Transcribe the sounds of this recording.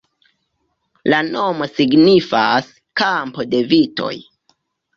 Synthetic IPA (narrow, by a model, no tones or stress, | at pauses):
lano̞mo̞siɡnifas | kampode̞vito̞̰j